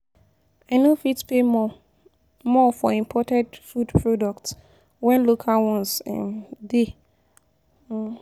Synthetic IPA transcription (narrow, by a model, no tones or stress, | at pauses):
anõfitspʰe | mɔfɔĩmpʰɔtʰɛ̃ndfudpʰɹodɔkts | wɛ̃nlokʰalwɔ̃nsɛ̰̃nde